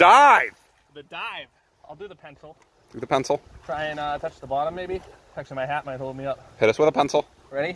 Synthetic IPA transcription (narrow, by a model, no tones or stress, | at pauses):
d̥aɪv̥ | ðɨdaɪv̥ | aɪlˠdɨðəpʰɛ̃nsl̩ˠ | d̥ʉðəpʰɛ̃nsl̩ˠtʰɹ̥aɪɨ̃nʌtʰʌt͡ʃðəbɑɾə̃mːeɪbitʰæt͡ʃmaɪɦæt̚meɪhoʊlˠd̚miʌp̚hɪɾɨswəðəpʰɛ̃nsl̩ˠ | ɹɛɾi